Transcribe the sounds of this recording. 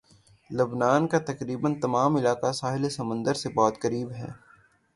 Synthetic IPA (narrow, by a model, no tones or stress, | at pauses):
lɐbnaːnkat̪ɐkɾiːbənt̪ɐmaːmɪlaːkasaːɦɪlesɐmə̃nd̪əɾsebɔːt̪kɐɾiːbɦɛ̰ː